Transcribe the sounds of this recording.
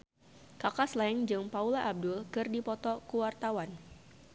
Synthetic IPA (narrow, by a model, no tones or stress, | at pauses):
kakaslaɛŋd͡ʒɨŋpaulaʔab̚dʊlkɨrdipɔt̪ɔkuwart̪awan